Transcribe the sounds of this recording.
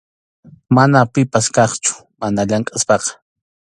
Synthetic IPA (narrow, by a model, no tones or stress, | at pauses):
manapɪpaskɑχt͡ʃʊ̥ | manaʎaŋkʼaspɑqɑ̥